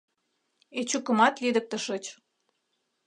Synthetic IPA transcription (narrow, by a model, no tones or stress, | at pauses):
et͡ɕukə̆mɑt̪lid̪ə̆k̚t̪ə̆ʃə̆t͡ɕ